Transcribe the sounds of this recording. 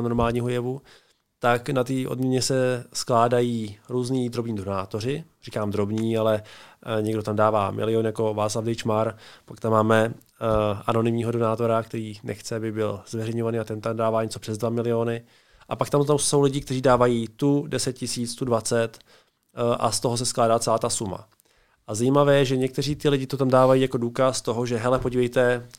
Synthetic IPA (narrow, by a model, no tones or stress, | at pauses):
noɾmaːlɲiːɦojɛvu | t̪aknat̪iːʔodmɲɛɲɛsɛsklaːdajiːɾuːzniːd̪ɾo̞bɲiːdo̞naːt̪o̞r̝ɪrikaːmd̪ɾo̞bɲiːalɛɲɛɡdot̪amdaːvaːmʔɪ̰lɪonjako̞vaːt͡slavdɛjt͡ʃmaɾpakt̪amːaːmɛ | ano̞nɪmɲiːɦo̞do̞naːt̪o̞ɾakt̪ɛɾiːnɛ̰xt͡sɛabɪbɪlz̥vɛrɛjɲovaniːat̪ɛnt̪amndaːvaːɲɛt͡so̞pr̝̥ɛzdvamɪlɪonɪ | ʔapakt̪amt̪amso̞wlɪɟɪk̚t̪ɛriːdaːvajiːt̪udɛsɛt̪̚cɪsiːt͡st̪udvat͡sɛt̪ | ʔa̰st̪oɦo̞s̬ɛsklaːdaːt͡sɛlaːt̪asuma̰ | ʔazajimavɛːjɛʒɛɲɛk̚t̪ɛriːt̪ɪlɪɟɪt̪ot̪amdaːvajiːjako̞duːkast̪o̞ɦo̞ʒɛɦɛlɛpo̞ɟivɛjt̪ɛ